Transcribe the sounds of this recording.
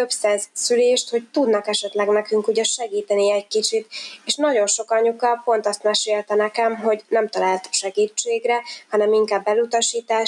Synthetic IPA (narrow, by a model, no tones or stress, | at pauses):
øpsɛnzsyleːʃt̪ho̞ct̪ud̪nɒkɛʃɛt̪lɛɡnɛkyŋkuːɟɛʃɛɡiːt̪ɛniɛɟkit͡ʃit̪eːʃnɒɟo̞nʃo̞kɒɲukɒpo̞nt̪ɒst̪mɛʃeːlt̪ɛnɛkɛmɦo̞ɟnɛmt̪ɒlaːlt̪ʃɛɡiːt͡ʃːeːɡrɛhɒnɛmiŋkaːbːɛlut̪ɒʃiːt̪aː